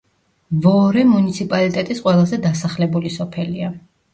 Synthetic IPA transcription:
vɔɾɛmunit̪sʰipʼalit̪ʼɛt̪ʼisqʼwɛlˠazɛd̪asaχlɛbulisɔpʰɛlia

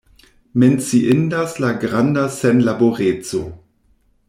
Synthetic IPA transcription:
ment͡siʔɪndaslaɡʁandasɛnlaboʁeːt͡so̰

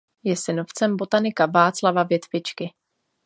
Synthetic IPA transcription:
jɛsɪnoft͡sɛmbo̞t̪anɪkavaːt͡slavavjɛt̪vɪt͡ʃkɪ

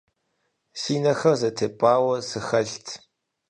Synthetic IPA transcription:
siːnɐxɐrzɐtʰeːpʼaːwɐsɨxɐɬtʰ

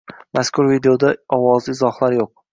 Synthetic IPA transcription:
maskʲʰʊɾvid̪eod̪aɒwɒzɪɪzɒhlaɾjoq̚

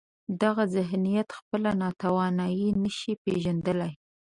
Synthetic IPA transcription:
d̪aɣazɪɦnijat̪xpəlanɑt̪awɑnɑjinəʃipeʒand̪əlaj

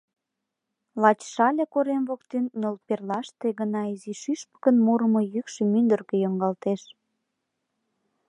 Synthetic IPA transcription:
lɑt͡ɕʃɑlʲekoɾemβokt̪ennːʲolperlɑʃt̪eɣənɑiziʃyʃpə̥kənmuɾəmŏjykʃemynd̪ərkejoŋɡɑlt̪eʃ

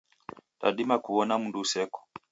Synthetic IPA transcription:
ta̰ɗimakuɔnamundusɛkɔ̥

